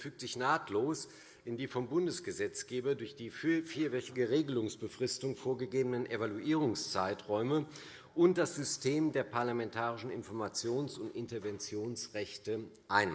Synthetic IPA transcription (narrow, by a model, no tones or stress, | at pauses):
fyːk̚tz̥ɪçnaːtʰloːs | ʔɪndiːfɔmbʊndəsɡ̥əzɛt͡sɡ̥eːbɐdʊɐçd̥iːffiːɐvɛtɪɡəʁeːɡəlʊŋsb̥əfʁ̥ɪstʊŋfoːɐɡəɡeːbənənʔevaluʔiːʁ̞ʊŋst͡saɪtʁɔʏmə | ʔʊnt̚d̥asz̥ʏstʰeːmdeːɐpʰaɐlamɛntʰaːʁɪʃn̩ɪ̰nfɔɐmat͡sjoːnsʊntʔɪntɐvɛnt͡sjoːnsʁɛçtə | ʔaɪn